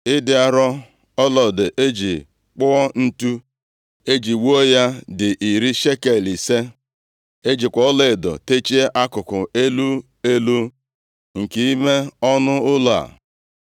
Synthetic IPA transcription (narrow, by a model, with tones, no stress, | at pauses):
ɪ˦dɪ˨a˨ɾɔ˦ | ɔ˦lɔ˨dɪ˨ʔe˦d͡ʒi˨ | k͡pʊ˦ɔ˦n̩˦tu˦ | e˦d͡ʒi˨wo˦o˦ja˦dɪ˨ʔi˨ɾi˦ʃe˦ke˨li˨se˦ | e˦d͡ʒi˨kʷɔ˨ɔ˦le˨ɪ˨dɔ̰˨te˦t͡ʃi˦e˦ʔa˦kʊ˨kʊ˨e˦lu˦ | e˦lu˦ | ŋ̩˨ki˨i˦me˦ɔ˦nʊ˦ʊ˦la̰˨